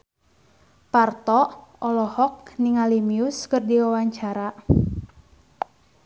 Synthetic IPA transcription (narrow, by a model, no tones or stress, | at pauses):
part̪ɔɔlɔhɔk̚niŋalimiʊskɨrdiwawaɲt͡ʃaɾa